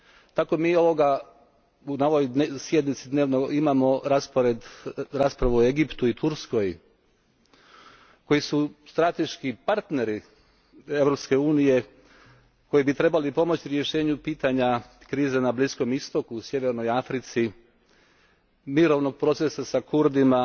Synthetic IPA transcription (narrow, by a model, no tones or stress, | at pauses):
t̪ako̞miːo̞ʋo̞ɡa | unao̞ʋoj̪sje̞d̪nit̪sid̪neːʋnoimamo̞ɾaspoɾed̪ɾaːspɾaʋuoe̞ɡipt̪uit̪uɾsko̞j | ko̞jisust̪ɾat̪e̞ʃkipaɾt̪ne̞ɾi | e̞ʋɾo̞pske̞uːnije̞ | ko̞jibit̪ɾe̞balipo̞mo̞t͡ɕiɾje̞ʃe̞ːɲupiːt̪aɲakɾiːzenablisko̞mist̪o̞kuːsje̞ʋe̞ɾnojafɾit̪si | miɾo̞ʋno̞ɡ̚pɾo̞t̪sesasakuɾd̪ima